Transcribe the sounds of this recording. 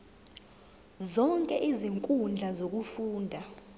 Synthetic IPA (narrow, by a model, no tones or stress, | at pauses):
zɔŋkʼɛʔiziŋkʼund͡ɮʱazok̬ufuːndʱa